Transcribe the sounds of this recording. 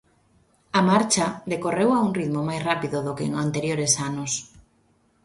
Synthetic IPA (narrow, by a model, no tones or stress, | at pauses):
amaɾt͡ʃaðekorewauŋriðmomajsrapiðʊðokḛŋant̪eɾjoɾesanʊs